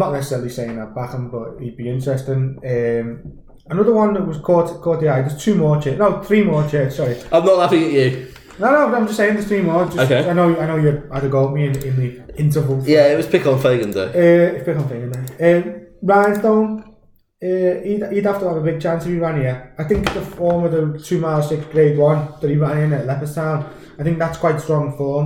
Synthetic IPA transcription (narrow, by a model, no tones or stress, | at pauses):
nəʔnɛsəsɛɹəlˠiseɪɪ̃ŋðət̚b̥akə̃mbʌʔhid̚biɪ̃nt͡ʃɹ̥ɛstɪ̃nə̃ːm | ənʊðəwʌ̃nðəʔwɒz̥kʰɔːtkʰɔːtiaðəz̥tʰʉːmɔːt͡ʃʰɛʔnoʊθɹiːmɔːt͡ʃʰɛˑtsɒɹiʔãɪ̃mnəʔlafɪ̃ŋəʔʉ | noʊnoʊbãɪmd͡ʒʌstseɪɪ̃ŋðəz̥θɹiːmɔːd͡ʒʌoeaɪnoʊjaɪnoʊjəaɪdəɡɔːmiɪ̃nɪ̃nðiɪ̃ntəvəlˠfjæɪʔwɒz̥pʰɪkɔ̃nfeɪɡə̃ndḛɪəːɪpʰɪkn̩feɪɡə̃ndeəːmɹãɪ̃nθõːn | əididaftəəvəbɪɡ̚t͡ʃʰãnsəviɹãnjɛaɪθɪ̃ŋkðəfɔːməvðətʰʉːmaɪlˠsɪksɡ̥ɹeɪdwʌ̃nðətiɹãnɪ̃nəʔlɛpəstʰãʊ̃n | aɪθɪ̃ŋk̚ðatskʰw̥aɪtstɹ̥ɔ̃ŋfɔːm